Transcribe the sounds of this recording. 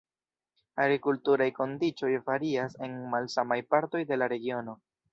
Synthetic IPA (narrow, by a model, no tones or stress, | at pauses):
aɡɾikultuɾajko̞ndit͡ʃo̞jfaɾiase̞nmalsamajpaɾto̞jde̞laɾe̞ɡio̞no̞